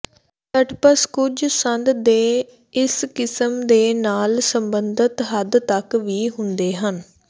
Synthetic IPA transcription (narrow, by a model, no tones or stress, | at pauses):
t̪əʈpəskʊd͡ʒsənd̪d̪eː | ɪskɪsəmd̪eːnaːlsəmbənd̪ət̪ɦəd̪t̪əkʋiːɦʊnd̪eːɦən